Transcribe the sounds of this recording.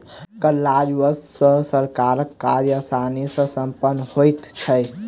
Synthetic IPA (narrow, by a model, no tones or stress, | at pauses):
kəlːad͡ʒwəssə̃səɾkaɾəkːaɾjəsanisə̃səmpənːhojt̪t͡ʃʰəj